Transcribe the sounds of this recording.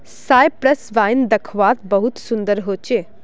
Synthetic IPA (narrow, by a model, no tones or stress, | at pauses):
saːjpɾəsʋaːjnd̪ɐkʰʋaːt̪bəɦut̪sʊnd̪əɾɦoːt͡ʃeː